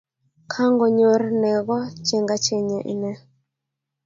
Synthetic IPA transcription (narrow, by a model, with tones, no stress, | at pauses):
kʰa˦ŋɡɔ˨ɲo˦rnɛ˨ɣɔ˦t͡ʃɛ˨ŋɡa˦t͡ʃe˨ɲe˨ʔɪ̰˨nɛ˦